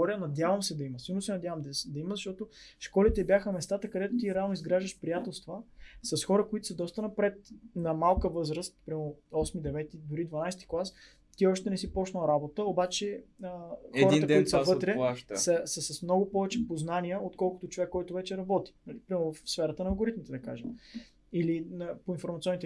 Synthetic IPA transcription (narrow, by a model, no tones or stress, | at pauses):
ɔɾənɐd̪ʲjavəmsɛd̪ɐimɐsiɡəlnʊsɛnɐd̪ʲjavɐmd̪d̪ɐiməzɐʃt̪ɔt̪oʃkɔlit̪ɛbjaxəmɛst̪at̪əkɐd̪ɛt̪ot̪iɾɛalˠnʊizɡɾaʒd̪əʃpɾijat̪ɛlˠst̪vəsɐsxɔɾəkoit̪ʊ̥səd̪ɔst̪ənɐpɾɛt̪̚nɐmalˠkəvɤzɾəst̪̚pɾʲamoɔsmid̪ɛvɛt̪id̪ʊɾid̪vɐnajsɛt̪i̥klˠas | t̪iɔʃt̪ɛnɛsipɔt͡ʃnəlˠɾabot̪əobat͡ʃɛəxɛɔɾiək̪d̪oit̪osvɤt̪ɾɛsɐsəsɐsmnɔɡʊpɔvɛt͡ʃɛpoznaniəot̪kɔlˠkʊ̥t̪oʊt͡ʃovɛkːɔjt̪ʊvɛt͡ʃɛɾɐbɔt̪i̥nɐlipɾʲamovɐfsfɛɾət̪ənɐːlˠɡoɾit̪mit̪ɛd̪ɐka̰ʒɛm | ilinɐpoinfoɾmɐt̪siɔnit̪ɛ